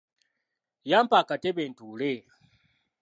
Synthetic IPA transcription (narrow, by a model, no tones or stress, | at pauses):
jampakatɛbɛntulɛ